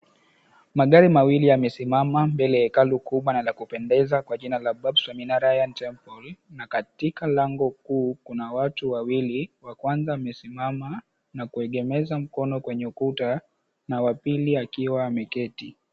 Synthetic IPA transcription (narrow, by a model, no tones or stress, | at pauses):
maɠaɾimawiliamɛsimamambɛlɛjakalukuɓwanalakupɛndɛzakwaʄinalaɓabswaminaɾajantɛmpɔlnakatikalaŋɡɔkuːkunawatuwawiliwakwanzaamɛsimama | nakuɛɠɛmɛzam̩kɔnɔkwɛɲɛukuta | nawapiliakiwaːmɛkɛti